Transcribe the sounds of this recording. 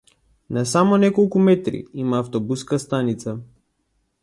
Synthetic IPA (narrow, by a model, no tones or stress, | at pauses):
nasamɔnɛkɔlˠkumɛt̪ɾḭimaːft̪ɔbuskast̪anit̪sa